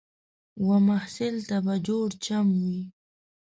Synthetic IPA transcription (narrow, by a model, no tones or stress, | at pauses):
wamahsɪlt̪abad͡ʒoɽt͡ʃamwi